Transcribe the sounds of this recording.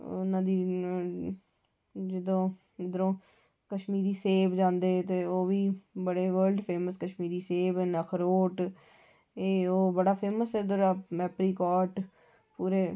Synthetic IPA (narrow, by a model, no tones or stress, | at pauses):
ʊnãːd̪iː | d͡ʒɪd̪õː | d̪əɾõː | kəʃmiːd̪iːseːbd͡ʒãːnd̪eːt̪eːoːʋiːbəɽeːʋəːɾlɖpʰeːməskəʃmiːd̪iːseːbɛːnəkʰɾoːʈ | eːoːbəɽaːpʰeːməsɛd̪əɾaːmɛːpɾiːkɔːɾʈ | puːɾeː